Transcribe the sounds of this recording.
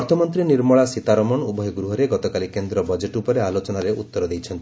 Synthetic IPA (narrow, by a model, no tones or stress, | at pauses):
ɔɾt̪ʰɔmɔnt̪ɾiniɾmɔɭasit̪aɾɔmɔɳubɔjɔɡɾuɦɔɾeɡɔt̪ɔkalikend̪ɾɔbɔd͡ʒeʈupɔɾealot͡ʃɔnaɾeʔut̪ːɔɾɔd̪ejt͡ʃʰɔnt̪i